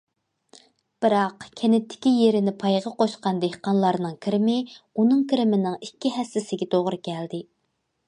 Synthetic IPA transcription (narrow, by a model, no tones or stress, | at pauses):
b̥ɪɾɑqkʲʰɛnɪt̪ʰːɪ̥kʲijeɾɪnɪpʰɑjʁɑqoʃqɑnd̪ehqɑnlˠɑɾnɨŋkʲʰiɾɪmɪunɨŋkʲiɾɪmɪnɪŋikʲːiɦɛsːɪsɪɡʲɛt̪ʰoʁɾɨkʲʰɛld̪ɪ